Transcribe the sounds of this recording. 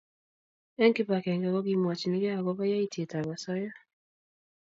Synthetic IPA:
ɛ˦ŋkɪ˦pa˨kɛ˨ŋɡɛ˨ɣɔ˦ɡi˦mwa˨t͡ʃi˨ni˦ɡɛ˦a˨ɡɔ˦βa˦ja˦i˦te˨ta˨βa˨sɔ˦ja˦

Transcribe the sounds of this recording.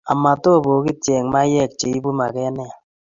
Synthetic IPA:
a˨ma˨to˦˨bo˨˦ki˦tjɛ˨ŋma˦jɛ˦˨k̚t͡ʃe˨i˦bu˦ma˨kɛ˦nɛ˦˨

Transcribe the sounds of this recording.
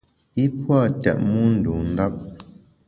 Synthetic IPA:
i˦pwa˦˨tɛ̰˨ʔ̚mu˦n̩˨du˨n̩˦da˦p̚

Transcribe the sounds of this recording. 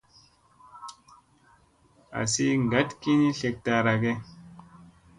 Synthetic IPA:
a̰˨si˦ŋ˨ɡa˨˦tki˦ni˦ɬe˧k̚ta˧ɾa˨ɡe˦

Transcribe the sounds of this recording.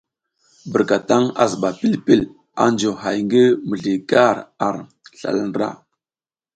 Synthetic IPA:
bə˨ɾka˨ta˦ŋa̰˨zə˨ɓa˨pi˦lpi˦l | a̰˨˦nd͡ʒo˨ɦa˨jŋɡə˦mə˨ɮi˨ka˦ɾa˨ɾ | ɬa̰˨ln˨ɾa̰˦˨

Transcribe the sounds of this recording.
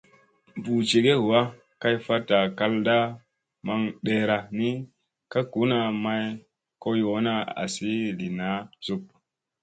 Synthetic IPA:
bu˨t͡ʃe˨ɡe˦˨wa˦ | ka˦jfa˦ta˨ka˦lda˦ | ma˦ŋɗe˦˨ɾa˨ni˦ | ka˦ku˨˦na˨ma˦j | ko˦jo˨˦na˦a̰˨si˦li˨na˦z̥u˨p̚

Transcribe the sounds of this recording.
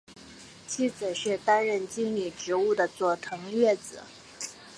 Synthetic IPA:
t͡ɕʰi˥˩t͡sɹ̩˨˩ɕɥɛ˥˩t̪a˥nɻə˥˩nt͡ɕi˥nli˨˩ʈ͡ʂɻ̩˧˥u˥˩d̪ə˩t͡swɔ˥˩t̪ʰɤ˧˥ŋɥɛ˥˩t͡sɹ̩˨˩˦

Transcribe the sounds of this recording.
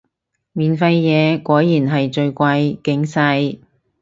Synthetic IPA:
miː˨nfɐ˧jjɛː˨˧kʷɔː˨˥jːiː˨˩nɦɐ˨jt͡ʃɵ˧ɥkʷɐ˧jkɪ˨˥ŋsɐ˧j

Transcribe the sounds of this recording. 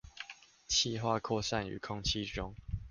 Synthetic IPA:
t͡ɕʰi˥˧ɦwa˥˧kʰɔ˥˧sa˥˨ny̰˨˦kʰɔ˥˦ŋt͡ɕʰi˥˦ʈ͡ʂɔ˦ŋ

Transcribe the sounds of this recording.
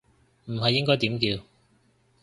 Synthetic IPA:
m̩˨˩ɦɐ˨jːɪ˥ŋkɔː˥jt̪iː˨˥mkiː˧w

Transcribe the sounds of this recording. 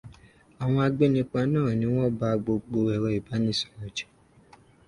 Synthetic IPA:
a˨w̃ɔ̃˧a˧ɡ͡be˦nĩ˦k͡pa˧˦nãː˦˨nĩ˨˦w̃ɔ̃˦ba˦˧ɡ͡bo˧ɡ͡bo˧ɛ˨ɾɛ˧˦i˨ba˨˦nĩ˦˨sɔ̥˨ɾɔ̃˨d͡ʒɛ̥˨

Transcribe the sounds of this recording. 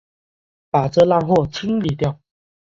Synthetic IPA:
pa˨˩ʈ͡ʂɤ˥˧la˥˧ŋxwɔ˥˨t͡sʰi˥ŋli˨˩t̪jɑ˥˨ʊ

